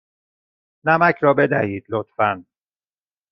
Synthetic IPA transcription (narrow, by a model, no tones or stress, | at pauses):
næmæcʰɾɒːbe̞d̪æhiːd̪̥lot̪fæn